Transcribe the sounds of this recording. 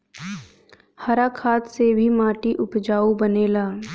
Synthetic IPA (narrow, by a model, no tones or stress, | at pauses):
hɐɾaːkʰaːt̪sebʱimaːʈiʔʊpd͡ʒaːubəneːlaː